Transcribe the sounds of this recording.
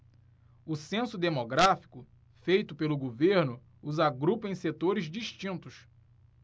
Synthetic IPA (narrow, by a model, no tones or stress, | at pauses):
ʊsẽsʊd̪emoɡɾafi̥kʊ | fejt̪ʊpelʊɡoveɾnʊː | zaɡɾupẽj̃set̪oɾɪzd͡ʒiʃt͡ʃĩnt̪ʊs